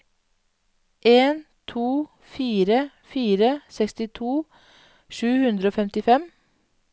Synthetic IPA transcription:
ʔeːn | t̪ʰuː | fiːɾə | fiːɾəsɛkst̪ɪt̪ʰuː | ʃʉːhʉnd̪ɾəoːfɛmt̪ɪfɛm

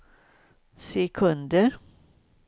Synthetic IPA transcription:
sɛkʰɵnd̪əɾ

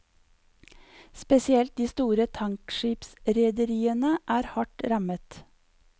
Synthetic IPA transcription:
spɛsɪɛlt̪̚d̪iːst̪uːɾət̪ʰɑŋkʃiːpsɾɛd̪əɾiːənəʔæːɾhɑʈɾɑmət̪

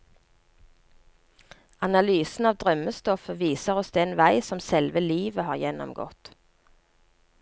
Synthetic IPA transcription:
ɑnɑlyːsn̩ɑːʋd̪ʁœməst̪ɔfəʋiːsəʁɔsd̪ɛnʋæɪsɔmsɛlʋəliːʋəhɑːʁjɛnɔ̰mɡɔ̰t̪

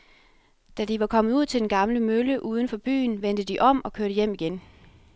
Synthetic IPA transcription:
d̥ædiʋɑ̈kʰɒ̽mð̩ˠuð̰ˠt͡sʰe̝d̥enɡ̥ɑ̈mləmøləʔuːð̞ˠən̩fɒ̽b̥y̰ːnʋend̥əd̥iʔɒ̽m̰ɒ̽kʰøɐɾ̥əjem̰iɡ̥en

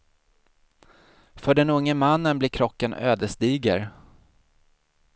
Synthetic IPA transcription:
fœɖɛnɵŋːəmanːənblɪːkʰɾɔkːanø̰ːd̪əʂt̪iːɡə̰ɾ

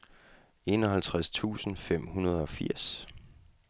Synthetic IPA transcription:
e̝nɒ̽hælt͡sʰʁast͡sʰṵːsn̩fem̰hunɐð̞ˠɒ̽fiɐ̰s

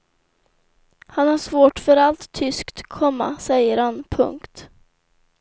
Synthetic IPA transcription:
hanhaʂvoːʈfœɾalt̪ʰːʏskt̪kʰɔmːa̰sɛjːəɾhanpʰɵ̰ŋkt̪

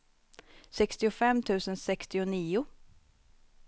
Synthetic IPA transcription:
sɛkst̪ɪʊfɛmːt̪ʰʉ̟ːsənsɛkst̪ɪʊniːʊ

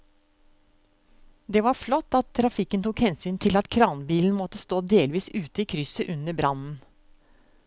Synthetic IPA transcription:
d̪ɛʋɑɾflɔt̪ːɑt̪ʰːɾɑfɪkːənt̪ʰuːkhɛnsyːnt̪ʰɪlɑt̪kʰɾɑːnbiːln̩mɔt̪ːəst̪oːd̪eːlʋiːsʉːt̪əiːkʰɾʏsəʔʉnəbɾɑnn̩

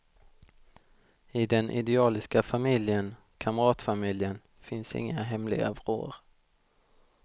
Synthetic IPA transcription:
ɪd̪ɛnʔɪ̰d̪ɛɑːlɪskafamɪljən | kʰamɾɑːt̪famɪljən | fɪnsɪ̰ŋːaɦɛmlɪ̰ɡa̰vɾo̰ːɾ

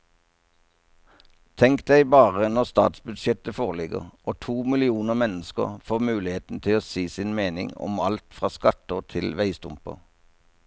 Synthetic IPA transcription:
t̪ʰɛŋkd̪æɪbɑːʁənɔʁst̪ɑ̰ːt̪sbʉd̪ʃjɛt̪əfoːʁlɪɡə̰ʁʔoːt̪ʰuːmɪlɪuːnəʁmɛnəskə̰ʁfoːʁmʉːlɪheːt̪n̩t̪ʰɪloːsiːsɪnmeːnɪ̰ŋɔ̰mɑlt̪fʁɑːskɑt̪əʁt̪ʰɪlʋæɪst̪ʊmpə̰ʁ

